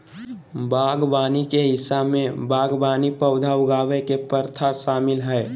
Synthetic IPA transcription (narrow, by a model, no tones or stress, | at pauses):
baːɡbaːnikeɦɪsːabmẽbaːɡbaːnipəʊd̪ʱaʊɡaːʋekepəɾt̪ʰasaːmɪlɦɛɪ